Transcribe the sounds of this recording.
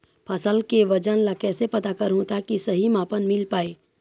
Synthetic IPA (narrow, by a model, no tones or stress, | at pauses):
pʰɐsəlkeʋɐd͡ʒənlakɛːsepɐt̪akəɾɦõt̪akisɐɦimaːpənmɪlpaːeː